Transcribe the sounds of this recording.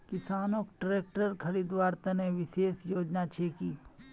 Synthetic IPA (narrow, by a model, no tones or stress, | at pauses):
kɪsaːnoːkʈɾeːk̚ʈəɾkʰɐɾiːd̪ʋaːɾt̪ɐneʋɪʃeːsjoːd͡ʒnat͡ʃʰeːkiː